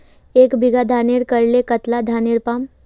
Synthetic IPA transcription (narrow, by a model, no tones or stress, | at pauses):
ekbʱiɡad̪ʱaneɾkəɾlekət̪lad̪ʱaneɾpam